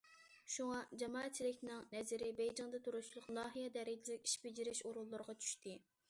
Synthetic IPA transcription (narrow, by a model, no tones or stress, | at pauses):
ʃuŋɑd͡ʒɑmɑːɛt̪̚t͡ʃʰːilɪkʲnɪŋnɛzɪɾɪbɛjd͡ʒɪŋd̪ɛt̪ʰuɾuʃlˠʊqnɑːɦijɛd̪ɛɾɪd͡ʒilɪkʲi̥ʃbɪd͡ʒiɾɪʃoɾulˠːʊɾʁɑt͡ʃʰy̥ʃt̪ɪ